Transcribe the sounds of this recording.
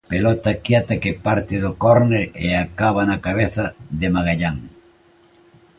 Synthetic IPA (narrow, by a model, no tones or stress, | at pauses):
pelɔt̪akjat̪ɐkepaɾt̪ɪðokɔɾneɾeakaβanakaβ̞eθɐðemaɣaʎaŋ